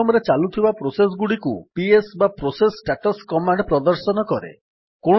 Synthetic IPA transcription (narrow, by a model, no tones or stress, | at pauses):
ɔmɔɾet͡ʃalut̪ʰibapɾoses̬ɡuɽikupiesbapɾosesʈaʈɔskɔmaɳɖpɾɔd̪ɔɾsɔnɔkɔɾḛ | ko